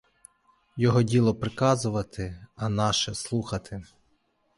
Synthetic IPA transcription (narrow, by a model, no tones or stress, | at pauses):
jɔɦɔdʲilˠɔpɾɪkɑzʊʋɐt̪ʰɪɐnɑʃɛslˠuxɐt̪ʰɪ